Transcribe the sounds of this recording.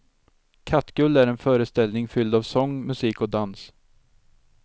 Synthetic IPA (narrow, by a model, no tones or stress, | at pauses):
kʰat̪ːɡɵlːæɾɛnfœːɾəst̪ɛlnɪŋfʏld̪avsɔŋːmɵsiːkɔd̪ans